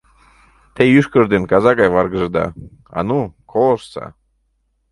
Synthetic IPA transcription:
t̪ejyʃkərd̪enkɑzɑɡɑjβɑɾɡəʒd̪ɑ̰ | ɑ̰nukʰolˠəʃsɑ̰

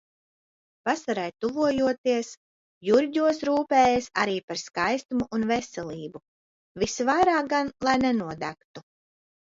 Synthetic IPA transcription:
pasaɾajt̪uvuɔjuɔt̪iəs | juɾɟuɔsɾuːpɛːjasaɾiːpaɾskajst̪umuʔunvɛsɛlˠiːbu | visvajɾaːk̚ɡanlˠajnɛnuɔd̪æ̰kt̪u

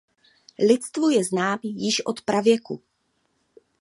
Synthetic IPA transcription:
lɪt͡st̪vojɛznaːmjɪʃʔo̞t̪pɾavjɛkṵ

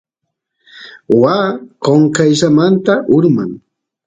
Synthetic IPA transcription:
waːkoŋkajʃamant̪aʔʊɾmaŋ

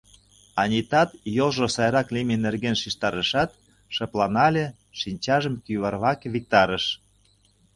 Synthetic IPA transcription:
ɑnʲit̪ɑt̪jolˠʒosɑjɾɑklʲimʲinerɣenʃiʃt̪ɑɾəʃɑt̪ | ʃɤ̆plɑnɑlʲĕ | ʃinʲt͡ɕɑʒə̆mkyβɑrβɑkβik̚t̪ɑɾə̆ʃ

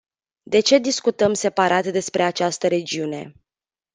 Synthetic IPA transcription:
d̪e̞t͡ʃe̞d̪iskut̪əmse̞paɾʔat̪d̪e̞spɾe̞at͡ʃast̪əɾe̞d͡ʒiune̞̰

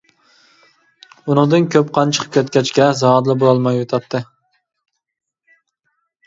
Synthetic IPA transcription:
unɨŋd̪ɨnkʲʰøp̚qʰɑnt͡ʃʰə̥qʰə̥p̚kʲʰøt̪kʲɛt͡ʃkʲɛzɑhɑd̪lˠɨbolˠɑlˠmɑjot̪ʰɑt̪ʰːɨ

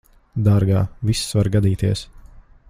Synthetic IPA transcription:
d̪aːɾɡaːvisːvaɾɡad̪iːt̪iɛs

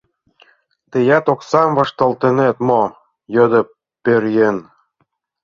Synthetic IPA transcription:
t̪ĕjæt̪oksɑmvɑʃt̪ɤlt̪ĕnet̪mo | jɤ̆d̪ɤ̆ | peɾjen

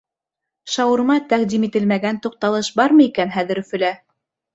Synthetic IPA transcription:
ʃɑwɤ̆ɾ̆mɑt̪æqd̪imit̪ɘ̆lmæɡænt̪uq̚t̪ɑlˠɤʃbɑɾmɤikænɦæðɘ̆ɾɵ̆fɘ̆læ

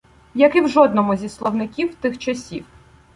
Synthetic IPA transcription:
jɐkɪwʒɔd̪nɔmʊzʲislˠɔwnɪkʲiwt̪ɪxt͡ʃɐsʲiw

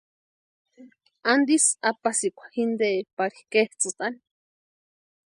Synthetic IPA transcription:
and̪isapasikʷḁhind̪epaɾikeht͡sɨt̪ani̥

